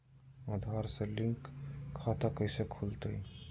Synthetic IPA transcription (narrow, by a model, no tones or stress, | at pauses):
əd̪ʱʋaɾselĩŋkʰːat̪akəɪsekʰult̪əi